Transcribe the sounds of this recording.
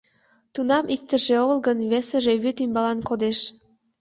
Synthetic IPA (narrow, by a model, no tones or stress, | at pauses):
t̪unɑmik̚t̪əʒeoɣlɣənβesəʒeβyt̪ymbɑlɑnkod̪eʃ